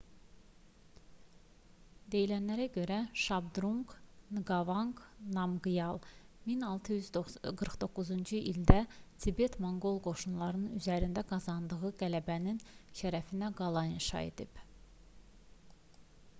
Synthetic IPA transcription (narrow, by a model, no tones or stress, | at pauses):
d̪e̞jilænlæɾæɟø̞ɾæʃɑb̚d̪ɾuŋknɡɑvɑŋknɑmɡɯjɑlˠminɑlˠt̪ʰɯjyzɡɯɾχd̪o̞kːuzund͡ʒɯʔild̪æt̪ʰibe̞t̪ʰmoŋɡo̞lˠɡo̞ʃunlˠɑɾɯnnyzæɾind̪æɡɑzɑnd̪ɯɣɯɡælæbæninʃæɾæfinæɡɑlˠɑjinʃɑ̰ḛd̪ib̥